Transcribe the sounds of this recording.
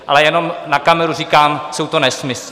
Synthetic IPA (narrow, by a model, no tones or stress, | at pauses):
ʔa̰lɛjɛno̞mnakamɛɾurikaːmsowt̪onɛsmɪs